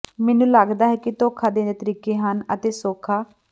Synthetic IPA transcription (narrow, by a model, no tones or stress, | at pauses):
mɛːnũːləɡd̪aːɦɛːkit̪oːkʰaːd̪ẽːd̪eːt̪əɾiːkeːɦənə̰t̪eːsoːkʰaː